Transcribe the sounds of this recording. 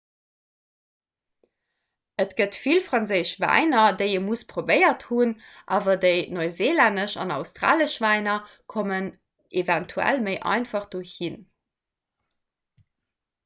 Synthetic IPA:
ətɡ̥ətfilfʁɑnzəɪʃvæ̰ɪnɐdəɪəmuspʁobəɪɐthunʔaːvɐdəɪnoɪzeːlændəʃɑ̰nɑʊstʁ̥a̰ːləʃv̥æɪnɐ | kʰomən | ʔevæntʰuæ̰lməɪʔɑ̰ɪnfɑχd̥oːhin

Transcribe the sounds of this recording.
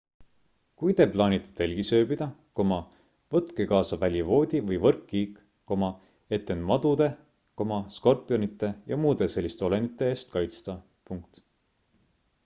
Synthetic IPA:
kujd̪e̞plɑːnit̪ːe̥t̪e̞lʲɡ̥isø̞ːbid̪̥ɑko̞mɑ | vɤt̪ːˑkekɑːsɑvælʲjivo̞ːd̪̥ʲivɤjvɤrkːiːk | ko̞mɑ | e̞t̪ːˑenmɑd̪ud̪̥e̞ | ko̞mɑsko̞rpːˑijo̞nit̪ːˑe̞jɑmuːd̪e̞se̞lːist̪e̞o̞le̞nit̪ːˑe̞eːst̪̚kɑjt̪st̪ɑ | puŋk̚t̪

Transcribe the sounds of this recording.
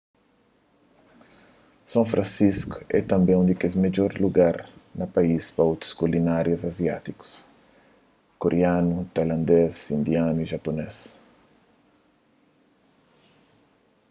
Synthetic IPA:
sãfɾʔãnsisku̥ɛ̰t̪ɐ̃mbẽũd̪ekezmed͡ʒoɾluɡaɾnɐpaispaot̪ɾu̥skulinaɾjɐzazjat̪iku̥s | koɾʔeanut̪ajlãnd̪esĩnd̪januiʒapones

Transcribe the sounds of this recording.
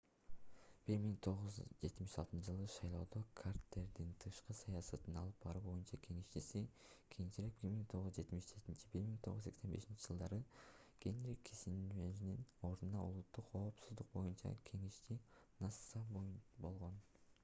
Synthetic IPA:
b̥iɾmiŋt̪ʰo̞ʁuzd͡ʒe̞t̪miʃɑ̰lˠt̪ɯnd͡ʒɯlˠɯʃɑjlˠo̞ːd̪o̞kʰart̪le̞ɾd̪int̪ʰɯʃqɯsɑjɑsɑt̪ɯnɑlˠɯp̚bɑɾɯbo̞junt͡ʃɑkʰe̞ŋeʃt͡ʃisi | kʲʰejint͡ʃilek̚biɾmiŋt̪ʰo̞ʁuzd͡ʒe̞t̪miʃd͡ʒe̞t̪int͡ʃi̥biɾmiŋt̪ʰoʁuze̞ksebe̞ʃint͡ʃid͡ʒɯlˠd̪ɑɾɯ | ɡ̥enɾikʰːisinyeʒinino̞ɾd̪unɑṵlˠut̪ːuqʰo̞ːpsuzd̪uq̚bo̞junt͡ʃɑ̰kʲʰe̞ŋeʃt̪inɑsɑbo̞lˠʁo̞n

